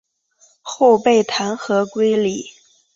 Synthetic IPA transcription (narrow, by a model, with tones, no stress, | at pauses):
xo˥˧ʊpe˥˩ɪt̪ʰa˧˥nxɤ˧˥kwe˥ɪli˨˩˦